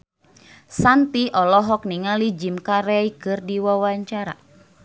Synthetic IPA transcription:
sant̪iʔɔlɔɦɔk̚niŋalid͡ʒimkaɾɛikɨrdiwawaɲt͡ʃaɾa̰

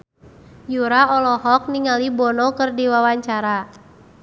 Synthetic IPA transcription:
juɾaɔlɔɦɔk̚niŋalibɔnɔkɨrdiwawaɲt͡ʃaɾa

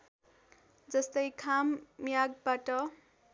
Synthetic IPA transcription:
d͡zʌst̪ʌjkʰamːjaɡ̚baʈʌ

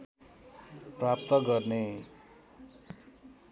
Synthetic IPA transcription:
prap̚t̪ʌɡʌrne

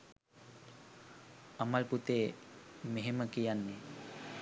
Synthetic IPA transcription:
amalput̪eːmeɦeməkijanːe

